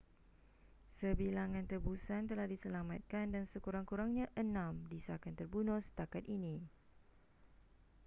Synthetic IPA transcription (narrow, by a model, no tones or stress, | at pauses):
səbilaŋãnt̪əbusant̪əlahdisəlamat̪̚kandansəkuɾaŋkuɾaŋɲãʔənãmdisakant̪ərbunʊst̪akat̪̚inĩ